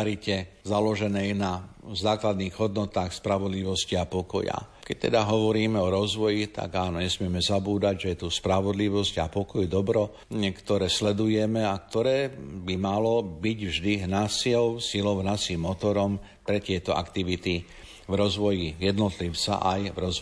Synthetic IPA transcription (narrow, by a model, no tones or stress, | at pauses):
ɾicɛ | zalɔʒɛnɛjnazaːklad̪niːɣɦɔd̪nɔt̪aːxspɾaʋɔd̪liʋɔsciapɔkɔja̰kɛc̚t̪ɛd̪aɦɔʋɔɾiːmɛɔɾɔzʋɔjit̪a̰ɡaːnɔɲɛsmɪɛmɛzabuːd̪aɟʒɛjɛt̪uːspɾaʋɔd̪liʋɔscapɔkɔjd̪ɔbɾɔ | kt̪ɔɾɛːslɛd̪ujɛmɛakt̪ɔɾɛːbimalɔbiɟvʒd̪iɦnasiɔʊsilɔʊnasiːmːɔt̪ɔɾɔm | pɾɛt̪ɪɛt̪ɔʔa̰kt̪iʋit̪i | vɾɔzʋɔjijɛd̪nɔt̪liʊt͡sa̰ʔajvɾɔzʋɔ